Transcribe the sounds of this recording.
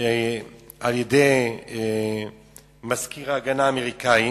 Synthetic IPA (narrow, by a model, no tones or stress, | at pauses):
e | aljedej | maskiʁaːɡanaːmeʁikai